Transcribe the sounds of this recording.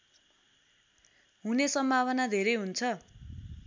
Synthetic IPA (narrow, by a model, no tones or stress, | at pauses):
ɦunesʌmbʱaβʌnad̪ʱeɾʌjɦunt͡sʰʌ